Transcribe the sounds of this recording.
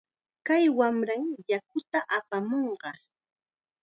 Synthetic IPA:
kajwamɾaŋjak̚ʊt̪aʔapamoɴɢɑ

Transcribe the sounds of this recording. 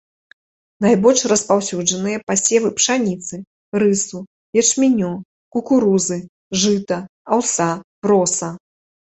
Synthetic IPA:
najbɔlʲʂrɐspawsʲud͡ʐɐnɨjɐpasʲɛvɨpʂanʲit̪sɨ | rɨsu | jɛt͡ʂmʲinʲɔ | kukuɾuzɨ | ʐɨt̪ɐ | awsabɾɔsɐ

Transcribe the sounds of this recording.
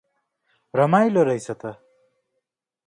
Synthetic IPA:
ɾʌmajloɾʌjsʰʌt̪ʌ

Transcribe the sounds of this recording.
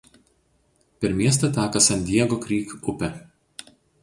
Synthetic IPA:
pʲɛɾmʲiɛs̬t̪ɐt̪ʲæːkɐsʲɐnʲd̪ʲiɛɡokɾʲiːkʊpʲɛ

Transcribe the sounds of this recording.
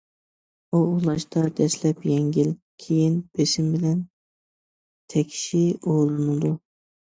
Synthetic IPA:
uulˠɑʃt̪ɑd̪ɛʃlɛpjɛŋɡʲil | kʲʰejinb̥eʃimbɪlɛn | t̪ʰɛkʲʰi̥ʃiolˠɨnɨd̪u

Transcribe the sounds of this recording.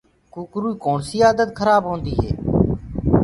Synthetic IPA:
kuːkɾuːiːkoːɳsiːaːd̪ət̪kʰəɾaːbɦõːnd̪iːɦeː

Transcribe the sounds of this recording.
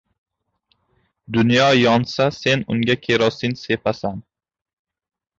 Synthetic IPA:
d̪ʊnjɒjɒnsase̞nʊŋɡʲakʲʰe̞ɾɒsɪnse̞pʰasan

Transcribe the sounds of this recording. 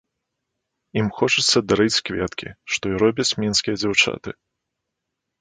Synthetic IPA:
imxɔt͡ʂɨt̪sːɐd̪aɾɨt͡sʲkvʲɛt̪kʲḭʂt̪ɔiɾɔbʲɐt͡sʲmʲinskʲijɐd͡zʲawt͡ʂa̰t̪ɨ

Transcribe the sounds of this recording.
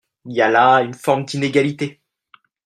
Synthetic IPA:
iljalaynfɔʁmd̪ineɡalit̪e

